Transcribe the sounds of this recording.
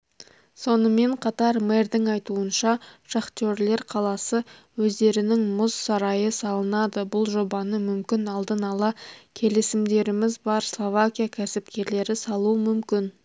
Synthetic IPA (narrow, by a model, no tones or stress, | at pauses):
so̞nəme̞ɴqʰɑt̪ɑɾme̞rd̪ɪŋɑjt̪uənʃɑʃaχt̪oɾle̞ɾqʰɑlˠɑsəwɵzd̪e̞ɾɪnɪŋmʊzsɑɾɑjəsɑlˠənɑd̪əbʊlˠʒo̞bɑnəmʏmkʲɪnɑlˠd̪ənɑlˠɑkʲʰe̞lɪsɪmd̪e̞ɾɪmɪzbɑɾslˠo̞vakʲijakʲʰæsɪpkʲe̞ɾle̞ɾɪsɑlˠuəmʏmkʲɪn